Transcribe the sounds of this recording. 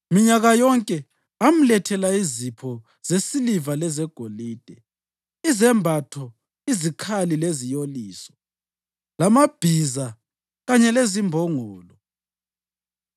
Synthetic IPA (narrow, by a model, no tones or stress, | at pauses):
miɲaɣajɔŋkʼɛ | am̩lɛtʰɛlaizipʰɔ | z̥esilivalɛzɛɡ̥ʱoliːd̥ʱɛ | izɛmbʱatʰɔ | izikʰalilezijoliːsɔ̥ | lamab̥ʱiza | ɣaɲɛlezimbʱɔŋɔːlɔ